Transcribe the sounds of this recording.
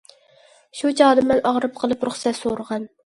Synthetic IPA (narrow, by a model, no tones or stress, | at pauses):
ʃut͡ʃʰɑːd̪ɨmɛnʔɑʁɾɨp̚qʰəlˠɨpɾʊχsɛt̪soɾəʁɑn